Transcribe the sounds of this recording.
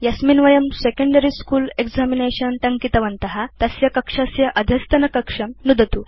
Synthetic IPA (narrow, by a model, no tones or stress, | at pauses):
jɐsminʋɐjɐmsekɐɳɖɐɾiskuːleɡzamineɕɐnʈɐŋkit̪ɐʋɐnt̪ɐɦat̪ɐsjɐkɐkʂɐsjɐʔɐd̪ʱjɐst̪ɐnɐkɐkʂɐmnud̪ɐt̪u